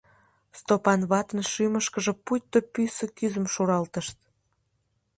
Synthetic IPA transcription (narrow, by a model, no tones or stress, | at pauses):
st̪opɑnβɑt̪ənʃyməʃkəʒə̆pujt̪ːopysəkyzəmʃuɾɑlt̪əʃt̪̚